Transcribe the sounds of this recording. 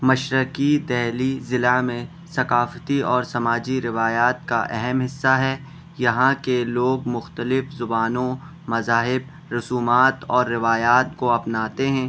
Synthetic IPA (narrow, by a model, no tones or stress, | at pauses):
mɐʃɾəkid̪ɛːɦlizɪlamẽ | sɐkaːft̪iɔːɾsɐmaːd͡ʒiɾɪʋaːjaːt̪kaʔɛɦɛmɦɪsːaɦɛ | jɐɦãkeloːɡmʊxt̪əlɪfzʊbaːnõ | mɐzaːɦɪb̚ | ɾʊsuːmaːt̪ɔːɾːɪʋaːjaːt̪koɐpnaːt̪eɦɛ̃ː